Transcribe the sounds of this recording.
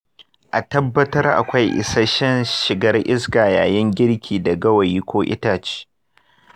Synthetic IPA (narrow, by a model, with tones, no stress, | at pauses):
ʔa˨tɐ˦bːɐ˦tɐ˦rʔa̰˨kʷa˦jʔɪ̰˨sa˦ʃɛ˦nʃɪ˨ɡɐ˦rʔɪ˦sɡaː˨ja̰ː˨jɛ˦ŋɡʲɪ˦ɽkʲʰiː˨dɐ˨ɡɐ˦wɐ˨jiː˦kʷoː˦ʔɪ̰˦taː˨t͡ʃi̥ː˦